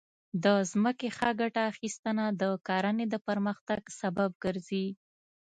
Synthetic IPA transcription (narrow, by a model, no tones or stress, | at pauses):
d̪əzməkexaɡaʈaːxist̪ənad̪əkɑɾəned̪əpəɾməxt̪aɡsabab̚ɡəɾzi